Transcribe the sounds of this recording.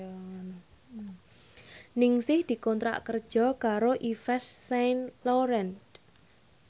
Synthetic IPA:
nɪŋsɪhd̪̥i̤kɔnt̪ɾa̰ʔkərd̥ʒ̥ɔ̤kaɾoʔifɛsːɛnlɔɾɛnt̪

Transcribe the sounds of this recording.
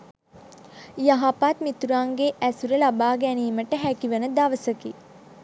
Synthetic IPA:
jaɦapaːt̪mit̪uɾaːŋɡeʔæsuɾəlabaːɡæniːməʈəɦækiʋənəd̪aʋəsəki

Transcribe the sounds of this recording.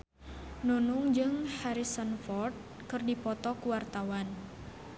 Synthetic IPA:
nunuŋd͡ʒɨŋhaɾisənfɔrt̪̚ | kɨrdipɔt̪ɔkuwart̪awan

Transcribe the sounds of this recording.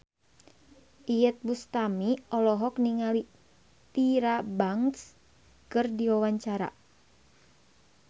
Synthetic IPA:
ʔijət̪̚bust̪amiɔlɔɦɔkniŋali | t̪iɾabaŋs | kɨrdiwawaɲt͡ʃaɾa̰

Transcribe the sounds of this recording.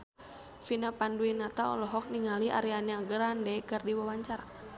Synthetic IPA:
finapanduinat̪aɔ̰lɔɦɔk̚niŋaliʔa̰ɾianjaɡəɾandɛkərdiwawaɲt͡ʃaɾa

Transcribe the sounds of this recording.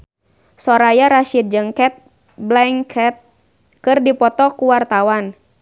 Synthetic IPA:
sɔɾajaɾaʃid̚d͡ʒəŋkɛt̪̚ | blɛŋkʰɛt̪̚ | kɨrdipɔt̪ɔkuwart̪awan

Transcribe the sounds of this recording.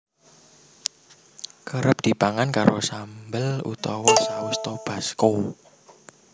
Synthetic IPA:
kəɾəp̚d̪̥i̤paŋankaɾosambəlṵt̪ɔwɔsawəst̪ob̥a̤sko

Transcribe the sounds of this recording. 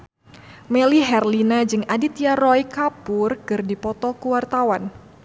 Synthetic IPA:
mɛliɦɛrlinad͡ʒɨŋadit̪jaɾɔjkapʊrkɨrdipɔt̪ɔkuwart̪awan

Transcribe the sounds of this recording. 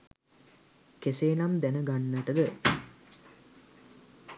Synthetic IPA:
keseːnamd̪ænəɡanːəʈəd̪ə

